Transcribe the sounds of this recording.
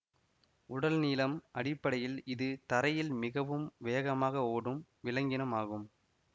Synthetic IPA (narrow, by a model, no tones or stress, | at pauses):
ʊɽɐlniːlɐmʔɐɽɪpːɐɽɐjɪlɪðɯt̪ɐɾɐjɪlmɪɣɐʋɯmʋeːɐɣɐmaːɣɐoːɽɯm | ʋɪlɐŋɡɪnɐmaːɣɯm